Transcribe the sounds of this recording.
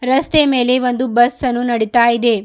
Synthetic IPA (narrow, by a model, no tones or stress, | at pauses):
ɾɐst̪eme̞ːle̞ʋond̪ubɐsːɐnːunɐɽit̪aːjid̪e̞